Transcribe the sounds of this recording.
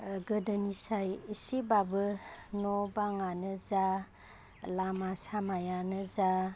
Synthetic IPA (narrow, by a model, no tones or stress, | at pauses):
ɡɯdənisajisibabɯnɔbaŋanɯza | lamasamajanɯza